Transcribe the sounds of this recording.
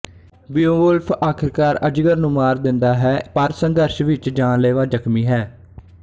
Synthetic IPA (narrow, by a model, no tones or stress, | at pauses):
bɪoːʋəlpʰaːkʰɪɾkaːɾəd͡ʒɡəɾnũːmaːɾd̪ɪnd̪aːɦɛːpəɾsə̃ŋd̪əɾʃʋɪt͡ʃd͡ʒaːnleːʋaːd͡ʒəkʰmiːɦɛː